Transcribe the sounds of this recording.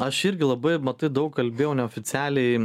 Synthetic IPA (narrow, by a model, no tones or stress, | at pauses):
ɐʃɪɾʲɡʲɪlˠɐbɐɪmɐt̪ɐɪd̪ɐʊkkɐlʲbʲeːjɛʊnʲɛoːfʲɪtt͡s̪ʲæːlʲɛɪ